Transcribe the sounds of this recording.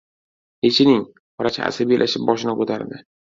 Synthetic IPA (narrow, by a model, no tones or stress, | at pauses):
het͡ʃʰɪnɪŋ | ɒɾat͡ʃʰa̰a̰sabijalʔaʃɪp̚bɒʃɪnɪkot̪ʰaɾd̪ɪ